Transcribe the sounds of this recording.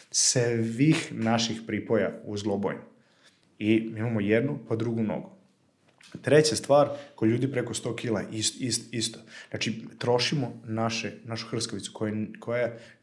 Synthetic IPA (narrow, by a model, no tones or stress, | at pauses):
sʋixnaʃixpɾiːpo̞ja̰uzlˠobo̰jnu | iimamojed̪nupad̪ɾuɡuno̰ɡu | t̪ɾe̞t͡ɕast̪ʋaːɾkoʎuːd̪ipɾe̞ko̞st̪o̞ːkilaʔisist̪ist̪o̥nat͡ʃit̪ɾo̞ʃimonaʃenaʃu̥xr̩skoʋit̪su̥kojekʰoja